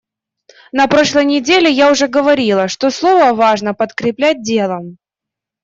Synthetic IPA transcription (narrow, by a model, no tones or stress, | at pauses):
nɐpɾo̞ʂlˠəjnʲɪdʲelʲɪjaʊʐɛɡəvɐɾʲilˠəʂt̪oslˠo̞vəvaʐnəpət̪kɾʲɪplʲæt̚ʲdʲe̞lˠəm